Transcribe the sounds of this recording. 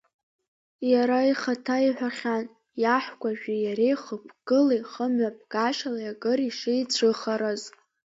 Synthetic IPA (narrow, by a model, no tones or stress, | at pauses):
jaɾaiχatʰaiħʷᶣaχʲan | jaħʷkʷaʒᶣijaɾejχəpʰɡ̥ɨliχəmɥap̚ʰʼɡ̥aʃalajaɡʼɨriʂeit͡ɕʷʰɨχaɾaz